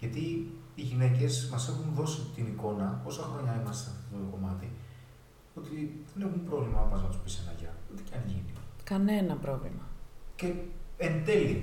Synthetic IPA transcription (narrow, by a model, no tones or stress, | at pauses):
ʝɐt̪i | iʝine̞ce̞smɐse̞xunðo̞sit̪iniko̞nɐo̞sɐxɾo̞ɲɐimɐst̪eɐft̪o̥ot̪ot̪oko̞mɐt̪i | ot̪iðe̞ne̞xumpɾovlimɐɐpɐzmɐt̪uspisenɐ̰ʝɐ̰ut̪ecɐniʝḭnikɐne̞nɐpɾo̞vlḭmɐce̞end̪e̞li